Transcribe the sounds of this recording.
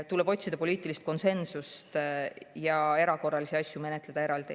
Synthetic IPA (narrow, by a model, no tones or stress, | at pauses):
t̪ulebo̞tʲsid̪ɑpo̞liːt̪ːˑilist̪̚ko̞nse̞nsust̪jɑe̞ɾɑko̞rːɑlisiɑsʲjume̞ne̞t̪le̞d̪̥ɑe̞ɾɑld̪̥i